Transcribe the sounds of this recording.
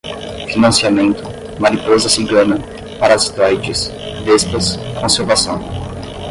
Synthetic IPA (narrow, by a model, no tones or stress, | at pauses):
finɐ̃siamẽnt̪ʊ | manipozɐsĩɡẽnɐ | paɾɐst̪ɔjt͡ʃɪsd̪espɐskõseɾvasɐ̃w̃